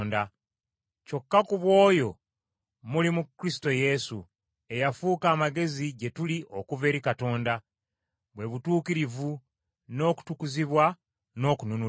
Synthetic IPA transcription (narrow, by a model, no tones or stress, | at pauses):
nda | co̞kːakuβwo̞ːjo̞ | mulimukɾisi̥to̞je̞sṵ | e̞jafuːkaːmaɡe̞ziɟe̞tuliʔo̞kuve̞ːɾikato̞ːnda | βwe̞βutuːkiɾivu | no̞ːku̥tukuziβwa | no̞ːkununu